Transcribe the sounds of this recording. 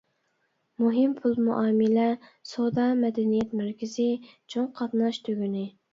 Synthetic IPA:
muɦɪmpʰulˠmuʔɑːmɪlɛsod̪ɑmɛd̪ɛnijɛt̪mæɾkʲɪzɪt͡ʃʰoŋqʰɑt̪nɑʃt̪ʰøɡʲynɪ

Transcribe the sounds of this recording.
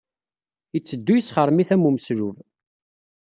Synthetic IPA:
ət͡sːəd̪ːujəsχəɾˤmiθæmuməsɾuv

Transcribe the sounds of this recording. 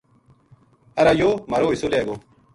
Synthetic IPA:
ɐɾaːjoːmɐɾoːisoːleːɡoː

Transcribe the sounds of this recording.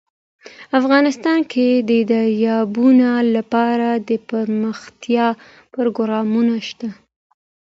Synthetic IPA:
afɣɑnɪst̪ɑnkʰed̪əd̪aɾjɑbunalapɑɾad̪əpəɾməxt̪jɑ | pəɾoɡʊɾɑmunaʃt̪a

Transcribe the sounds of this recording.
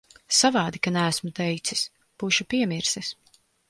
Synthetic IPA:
savaːd̪ikanæːsmut̪ɛjt̪sis | b̥uːʃupiɛmiɾsis

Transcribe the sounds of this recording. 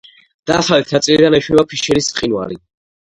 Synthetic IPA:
d̪̥aːχalit̪ʰnat̪sʼilid̪anɛʃwibapʰiʃɛɾisːχinwa̰ɾi

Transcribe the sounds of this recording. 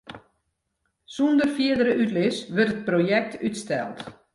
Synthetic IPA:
sundərfiədəɾəʔytlɪsʋɵrtət̚projɛk̚tʰytstɛ̰lˠt

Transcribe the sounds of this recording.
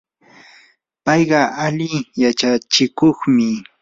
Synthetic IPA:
pɑjɢɑʔalɪjat͡ʃat͡ʃɪkoχmɪ

